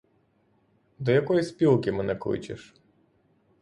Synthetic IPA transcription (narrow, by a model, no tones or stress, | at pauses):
d̪ɔjɐkɔjispʲilˠkʲɪmɛnɛklˠɪ̰t͡ʃḛʃ